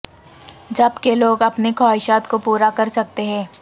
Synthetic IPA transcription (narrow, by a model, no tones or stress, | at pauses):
d͡ʒɐbkeloːɡɐpnekʰɔːɦɪʃaːt̪kopuːɾakɐɾsɐk̚t̪eɦɛ̃ː